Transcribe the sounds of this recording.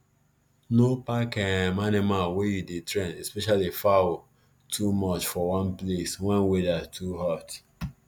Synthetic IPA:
nopakɛmanimalwejudetʰɹɛ̃nɛspɛʃalifawo | tʰumɔt͡ʃfɔwɔ̃npleswɛ̃nwedatʰuhat

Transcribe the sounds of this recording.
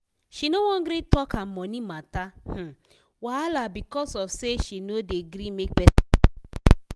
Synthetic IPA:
ʃinowɔ̃nɡɾitɔkam̩mɔnimatah̩ | waalabikɔsɔfseʃinodeɡɾimek̚bɛtḁ

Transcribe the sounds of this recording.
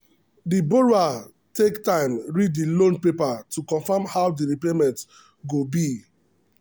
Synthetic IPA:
diboɹua | tektãɪ̃mɹiddilõnpepatukɔ̃nfamhawdiɹipemɛ̃nt | ɡobi

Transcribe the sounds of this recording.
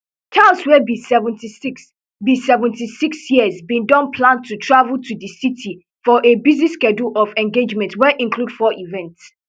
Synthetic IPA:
tʰaswɛbisɛvə̃ntisks | bisɛvə̃ntisiksjiəzbĩndɔ̃npʰlãntʰutʰɹavəl̩tʰuðəsitʰi | fɔʔebizniskɛdlɔvɛ̃nɡed͡ʒmɛ̃ntwɛʔĩnkʰlud̥fɔʔivɛ̃nts

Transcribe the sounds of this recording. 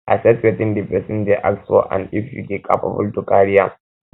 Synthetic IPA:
ʔa̰sɛsetɪndɪbɛsɪndeʔa̰lso̰ːʔa̰nʔɪɸṵkʲekʼa̰ɸa̰bʊ̰ltukʼaːɽɪja

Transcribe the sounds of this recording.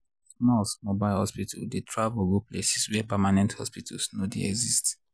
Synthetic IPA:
smɔsmobaɪlhɔspitʰaldetʰɹavɡuplesi̥swɛpɛmanɛ̃nthɔ̰spitʰalsnodḛɛ̰ɡzist

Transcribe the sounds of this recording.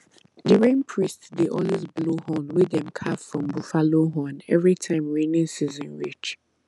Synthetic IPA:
dəɹẽnpʰɹistsdeʔɔlwezblohɔ̃nwɪðɛ̃mkʰaffɹɔ̃mbufaloɦɔ̃nɛvɹitʰãɪ̃mɹẽnĩnsizɔ̃nɹit͡ʃ

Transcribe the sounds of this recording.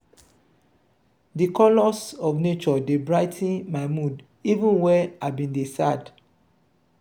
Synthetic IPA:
dikʰɔlɔsɔvnet͡ʃɔdebɹaɪtʰĩnmaɪmud | ivũnwɛaɪbĩndesad

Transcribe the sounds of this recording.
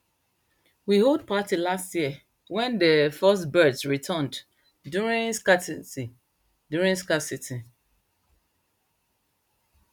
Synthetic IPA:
wiholˠd̚patilastjiə | wɛ̃ndəfɜstbɜdsɹitʰand | duɹĩŋskasisi | djuɹĩŋskasiti

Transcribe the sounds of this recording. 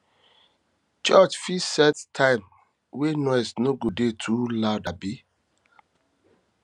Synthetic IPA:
t͡ʃɔt͡ʃfisɛttʰãɪm | wenɔjsnoɡudetʰulaʊdabi

